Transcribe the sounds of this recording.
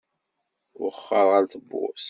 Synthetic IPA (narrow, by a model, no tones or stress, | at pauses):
wχːɑɾʁəɾθəbːʊ̰s